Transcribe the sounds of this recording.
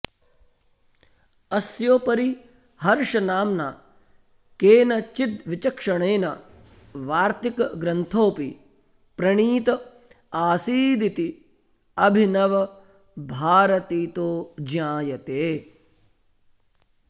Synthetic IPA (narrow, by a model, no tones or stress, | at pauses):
ɐsjoːpɐɾi | hɐɾʂɐnaːmnaː | keːnɐt͡ʃit̪̚ʋit͡ʃɐkʂɐɳeːnɐ | ʋaːɾt̪ikɡɾɐnt̪ʰoːpi | pɾɐɳiːt̪ɐ | aːsiːd̪it̪i | ɐbʱinɐʋɐ | bʱaːɾɐt̪iːt̪oːd͡ʒjãːjɐt̪eː